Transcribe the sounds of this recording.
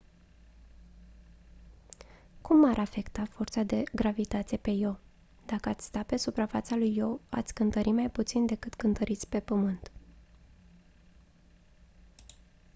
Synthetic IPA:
kumːaɾʔafe̞kt̪afort̪sad̪e̞ɡɾavit̪at̪sʲepe̞jo | d̪̥akəat̪sʲst̪ape̞supɾafa̰t̪salujːoa̰t̪sʲkɨnt̪əɾimajput̪sind̪e̞kɨt̪kɨnt̪əɾit̪sʲpe̞pəmɨnt̪

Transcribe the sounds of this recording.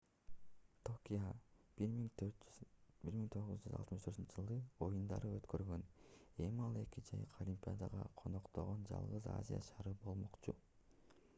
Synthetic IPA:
t̪ʰokʲija | biɾmiŋt̪ʰo̞ʁɯzd͡ʒyzɑ̰t̪mɯʃt̪ʰøt̪ynt͡ʃʰɪʒɯlˠd̪ɯo̞jund̪ɑ̰ɾɯøt̪kø̞ɾɡø̞ne̞miɑlˠe̞kid͡ʒɑjɯqʰolʲimpʲiad̪ɑʁɑ̰qʰono̞qt̪oʁond͡ʒɑ̰lˠʁɯza̰zʲija̰ʃɑɾɯbo̞lˠmoqt͡ʃu

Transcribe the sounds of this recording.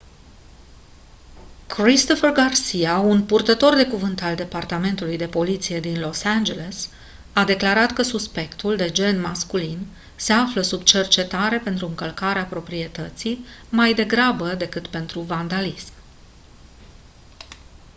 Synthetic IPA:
kɾist̪o̞fərɡarsiaunpurt̪ət̪o̞rd̪e̞kuvɨnt̪ald̪e̞part̪ame̞nt̪ulujd̪e̞po̞lit̪sije̞d̪inlo̞sand͡ʒe̞le̞s | ad̪e̞klaɾat̪kəsuspe̞kt̪uld̪e̞d͡ʒe̞nmaskulin | se̞afləsubt͡ʃe̞rt͡ʃe̞t̪aɾe̞pe̞nt̪ɾuɨŋkəlkaɾeapɾo̞pɾie̞t̪ət̪simajd̪e̞ɡɾabəd̪e̞kɨt̪pe̞nt̪ɾuvand̪alism

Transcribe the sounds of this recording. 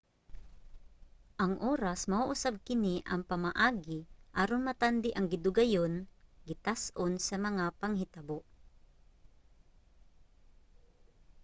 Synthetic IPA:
ʔɐŋʔoːɾɐsmɐuʔʊsab̚kɪniʔɐŋpɐmɐʔaːɡɪʔaːɾonmɐt̪and̪ɪʔɐŋɡɪd̪ʊɡɐjonɡɪt̪asʔonsɐmɐŋapɐŋhɪt̪ɐboʔ

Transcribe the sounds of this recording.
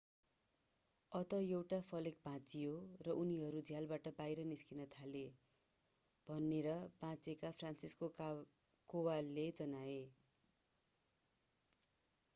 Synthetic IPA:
ʌt̪ʌjewʈapʰʌlek̚bʱãt͡siɦorʌʔuniɦʌɾud͡zʱjalbaʈʌbajɾʌniskinʌt̪ʰale | b̥ʱʌnːeɾʌb̥ãt͡sekapʰransisko | kowalːed͡zʌnae

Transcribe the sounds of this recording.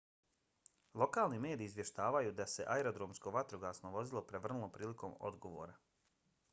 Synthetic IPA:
lˠo̞kaːlˠnime̞ːd̪iːzʋje̞ʃt̪aːʋajud̪ase̞ʔaeɾod̪ɾoːmsko̞ʋat̪ɾoɡaːsno̞ʋo̞zilˠo̞pɾe̞ʋr̩nulˠopɾiːliko̞mo̞̰d̪ɡo̞ʋo̰ːɾa

